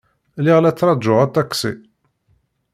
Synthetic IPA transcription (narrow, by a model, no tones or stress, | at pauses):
liʁlæt͡sːɾˤɑd̪ʒʊʁat̪ːɑksḭ